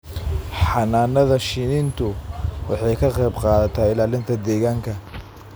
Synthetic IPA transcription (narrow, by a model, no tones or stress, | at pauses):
ħɑnaːnːɐðɐʃɪnɪnt̪ʰʊwɑħɑjkʰɐqɛjbqɑːðɐt̪ʰaːɪlaːlɪnt̪ʰɐd̪ɛːɣaːŋkʰɐ